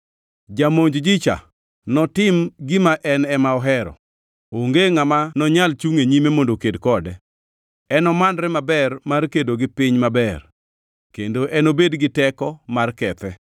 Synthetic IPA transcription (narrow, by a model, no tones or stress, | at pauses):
d͡ʒamoɲd͡ʒd͡ʒɪt͡ʃa̰ | nɔtɪmɡɪmaʔɛnɛmaɔɦɛɾɔ̰ | oŋɡeŋamanɔɲalt͡ʃuŋeɲimemondokedkɔdɛ | ɛnɔmandɾɛmabɛrmarkedoɡɪpɪɲmabɛr | kendoʔɛnobedɡɪtɛkɔmarkɛt̪ɛ